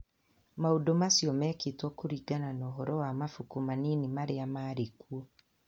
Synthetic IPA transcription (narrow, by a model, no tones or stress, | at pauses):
maudɔmasiɔmɛːketwɔkuɾiɡananɔːɦɔɾɔwamafukumaninimaɾeamaːɾekuɔ